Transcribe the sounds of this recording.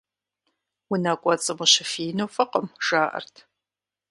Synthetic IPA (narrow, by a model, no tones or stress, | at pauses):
wʊnaːkʷʼɔt͡sʼɨmʊɕɪfiːnoːfɐqəmʒ̥aːʔɐ̰rtʰ